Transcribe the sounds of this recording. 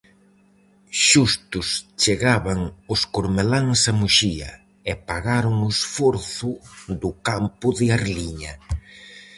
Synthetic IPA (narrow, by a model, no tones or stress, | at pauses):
ʃust̪ʊst͡ʃeɣaβaŋʊskoɾmelaŋsamuʃiɐ̰ | ɛpaɣaɾʊŋʊesfoɾθʊðʊkampʊðɪaɾliɲɐ